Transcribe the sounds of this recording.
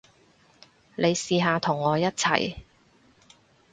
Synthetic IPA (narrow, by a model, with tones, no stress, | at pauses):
le˨˧jsiː˨˧ɦaː˧t̪ʰʊ˨˩ŋːɔː˨˧jɐ˥t̚t͡sʰɐ̰˨˩j